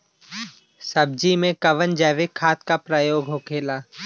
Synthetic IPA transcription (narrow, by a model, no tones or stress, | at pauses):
səb̚d͡ʒimẽkɐʋənd͡ʒɛːʋekʰaːt̪kapɾaːjoːɡʱɦoːkʰeːlaː